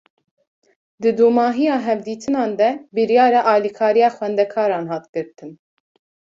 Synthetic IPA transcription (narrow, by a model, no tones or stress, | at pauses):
d̪ɨd̪umɑːɦijɑːɦɛvd̪iːt̪ʰɨnɑːnd̪ɛbɨɾjɑːɾɑʔɑːlikʰɑːɾijɑːxwɛnd̪ɛkʰɑːɾɑːnɦɑːt̪ɡɨɾt̪ʰɨn